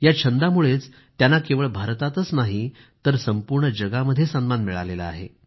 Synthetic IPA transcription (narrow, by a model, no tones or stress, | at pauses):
jat͡ɕʰənd̪amuɭet͡s | t̪janːakeʋəɭbʱaɾt̪at̪ət͡snaɦi | t̪əɾsəmpuɾɳəd͡ʑəɡaməd̪ʱːjesənmanmiɭa̰lela̰a̰ɦḛ